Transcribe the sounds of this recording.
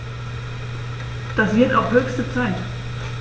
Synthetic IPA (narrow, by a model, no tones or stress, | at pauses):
d̥asv̥ɪɐta̰ʊxhøːçstət͡saɪt